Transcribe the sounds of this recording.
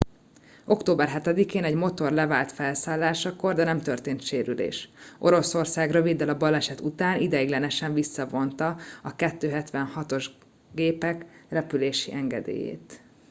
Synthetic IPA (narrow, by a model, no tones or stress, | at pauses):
o̞kt̪oːbɛrɦɛt̪ɛd̪ikeːnɛɟmo̞t̪o̞rlɛvaːlt̪fɛlsaːlːaːʃɒko̞rd̪ɛnɛmt̪ørt̪eːnt̪ʃeːɾylḛːʃʔo̞̰ɾo̞so̞rsaːɡrø̞vid̪ːɛlɒbɒlɛʃɛt̪ut̪aːnʔid̪ɛiɡlɛnɛʃɛɱvisːɒvo̞nt̪ɒɒkɛt̪ːøːɦɛt̪ʋɛnhɒt̪o̞ʒ | ɡeːpɛkrɛpyleːʃḭʔɛŋɡɛ̰d̪ḛːjḛːt̪